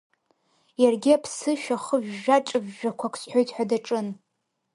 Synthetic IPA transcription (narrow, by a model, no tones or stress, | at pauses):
jarɡʲiapʰsɨʃᶣaχəʒᶣːaʈ͡ʂʼɨbʒᶣakʷʰakʷʰsħʷᶣo̞jtʰʼħʷᶣadaʈ͡ʂʼɨn